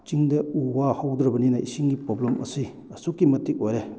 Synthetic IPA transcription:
t͡ʃiŋdɐuwahawd̪ɾɐbɐninɐḭsiŋɡipɾoblɐmɐ̰si | ɐsukːimɐtik̚ojɾe

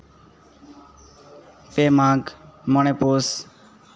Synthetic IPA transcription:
peːmaːɡmoneːpoːs

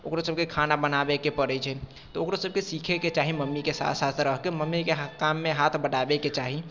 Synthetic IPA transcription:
okɾosəb̚kekʰaːnabənabekepəɾɛt͡ʃʰɛ | t̪ɔoːkɾosəb̚kesiːkʰeket͡ʃaːɦiməmːikesa̰t̪ʰsat̪ʰɾəɦkeməmːikeɦkaːmːẽɦaːt̪ʰbəɽaːbeket͡ʃaːɦi

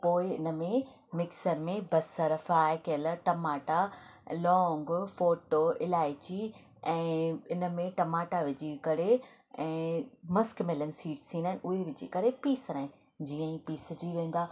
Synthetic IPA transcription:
poːɪɪ̰nə̆mẽ | mɪksəɾmẽbɐsəɾfɾaːɪkeləɾʈɐmaːʈalɔːŋɡfoːʈoːɪlaːɪt͡ɕi | ɛ̃ːɪnə̆mẽʈɐmaːʈaʋɪd͡ʑikɐɾe | ɛ̃ːmɐskmɪlənɪ̆siːʈst̪ʰĩːnd̪aɦɪnʔʊɦeʋɪd͡ʑikɐɾepiːsəɾaːɪ̃ | d͡ʑiːə̃ĩpiːsd͡ʑiʋẽːn̆d̪aː

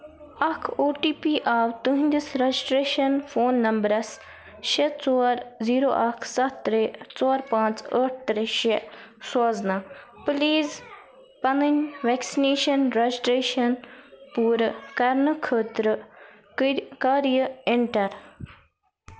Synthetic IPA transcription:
ɐkʰoːʈiːpiːʔaːwt̪uɦĩnd̪isɾɐd͡ʒisʈɾeːʃɐnfʰoːnːɐmbɾɐs | ʃet͡sɔːɾziːɾoːʔɐkʰsɐt̪ːɾeːt͡sɔːɾpãːt͡səːʈ̚ʰt̪ɾeʃesɔːznapliːz | pɐnənʋɛːksineːʃɐnɾɐd͡ʒisʈɾeːʃɐnpuːɾkɐɾnɨkʰəːt̪ɾə | kaːɾjəɪɳʈɐɾ

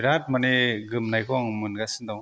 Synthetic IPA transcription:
ɾat̚maneɡɯmnajkʰɔŋmɯnɡasɯndaw

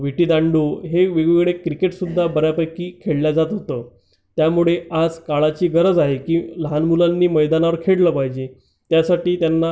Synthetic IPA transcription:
ʋiʈiːd̪ãɳɖuɦeʋeɡʋeɡɭekɾikeʈsud̪ʱːabəɾjapəjkiːkʰeɽljad͡zat̪ɦot̪ə | t̪jamuɭead͡zkaɭat͡ɕiːɡəɾəd͡zaɦekiːləɦanmulanːiːməjd̪anaʋəɾkʰeɽləːpaɦid͡ʑe | t̪jasaʈiːt̪janːa

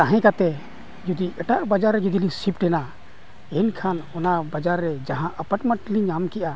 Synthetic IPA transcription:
t̪aɦɛ̃kat̪ɛ | d͡ʒud̪iʔɛʈaʔbəd͡ʒaɾːɛd͡ʒud̪ilisipʈɛna | ɛnkʰanɔnabad͡ʒaɾːɛd͡ʒaɦãʔəpəʈməʈliɲamkɛʔa

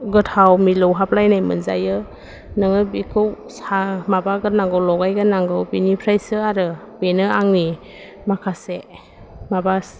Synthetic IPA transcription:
ɡɯtʰawmilɔwɦaplajnajmɯ̰nza̰jɯ | nɯŋɯbikʰɯwsamabaɡɯnaŋɡɯwlɔɡajɡɯnaŋɡɯwbinipʰɾajsɯaɾɯ | b̥enɯaŋni | makʰase | mabas

